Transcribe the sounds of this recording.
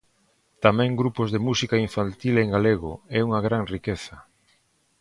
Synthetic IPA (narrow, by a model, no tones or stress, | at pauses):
t̪amɛ̃ŋɡɾupozðemusikaiɱfant̪ileŋɡaleɣ̞o̰ɛuŋaɣɾaŋrikeθɐ